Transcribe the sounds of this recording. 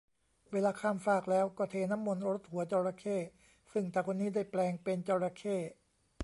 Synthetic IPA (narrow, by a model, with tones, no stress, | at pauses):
weː˧laː˧kʰaː˥˩mfaː˥˩k̚lɛː˦˥wkɔː˧˩t̪ʰeː˧˩na˦˥mːo˧nɾo˦˥t̪̚hu˨˩˦ɐt͡ɕɔː˧ɾa˧kʰeː˥˩ | sɯ˥˩ŋt̪ɛː˧˩kʰo˧nːiː˦˥daː˥˩jplɛː˧ŋpe˧nt͡ɕɔː˧ɾa˧kʰeː˥˩